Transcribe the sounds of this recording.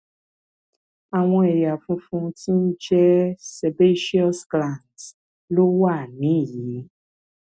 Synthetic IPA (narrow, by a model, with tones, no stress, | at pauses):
a˨w̃ɔ̃˧ɛ˨ja˨fũ˧fũ˧˦ti˦n̩˦d͡ʒɛ˦se˨be˦ʃi˦ɔ˦sɡlã˦˨nd | lo˦wa˦˨nĩ˨˦˨ji˨˦